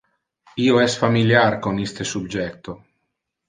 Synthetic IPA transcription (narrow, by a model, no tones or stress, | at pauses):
iːoɛsfamiljarkonist̪esubd͡ʒɛt̪o